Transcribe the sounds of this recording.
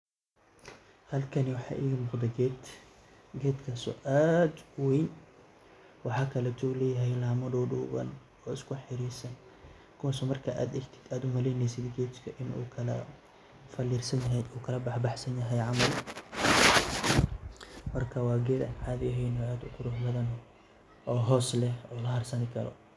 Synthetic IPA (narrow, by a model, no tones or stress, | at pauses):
hɐlkʰɐniwɑħɑ̰ːʔiːɣɐmʊːqd̪ɐɡɛːd̪ | ɡɛːd̪kʰɐsɔ̰ʔaːd̪wejn | wɑħɑːkʰɐlɛt̪ʰɔːlɛːjɐɦɛjlaːmɐd̪ɔːɖuːɣɐ̰n | ɔːɪskʊħɪɾiːsɐn | kʰʊwas̬ɔmɐrkʰɐʔa̰ːd̪ɐɡt̪ʰɪ̥d̪aːd̪ʊmɐlɛjnɛjsɪd̪ɡɛːt̪kʰɐʔɪnṵːkʰɐlɐ̰ | fɐlɪrsɐnjɐɦɛuːkʰɐlɐbɑħbɑħsɐnjɐɦɛjʕɑmɐl | mɐrkʰɐwɑːɡɛːd̪ɐ̰nʕaːðɪɛɦɛjnɔːaːd̪ʊkʰʊɾuːħbɐðɐn | ʔɔːɦɔːslɛhɔːlɐhɐrsɐnɪkʰɐlɔ̰